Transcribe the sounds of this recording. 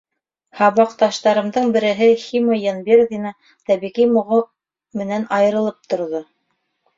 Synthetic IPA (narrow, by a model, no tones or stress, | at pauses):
hɑβɑqt̪ɑʃt̪ɑɾɤ̆md̪ɤɴbɘ̆ɾɘ̆ɦɘximojɑnbeɾðinɑ | t̪æβiʁijmŏʁo | mɘ̆nænɑjɤ̆ɾɤ̆lˠɤp̚t̪ŏɾðo